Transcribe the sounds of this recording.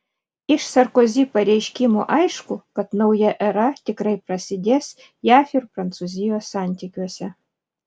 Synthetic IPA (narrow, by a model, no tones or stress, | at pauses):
ɪʃsɐɾkozʲiːpɐɾʲɛjʃʲkʲimo̰ʔɑjʃkʊkɐt̪nɐʊjɛʔɛɾɐt̪ʲɪkɾɐɪpɾɐsʲɪd̪ʲeːs | jɑːfʲirpɾɐnt̪suzʲɪjosɑnʲt̪ʲikʲuɔsʲɛ